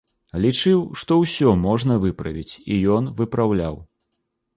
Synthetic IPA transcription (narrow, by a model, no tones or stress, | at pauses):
lʲit͡ʂɨwʂt̪ɔwsʲɔmɔʐnɐvɨpɾɐ̰vʲit͡sʲijɔnvɨpɾawlʲa̰w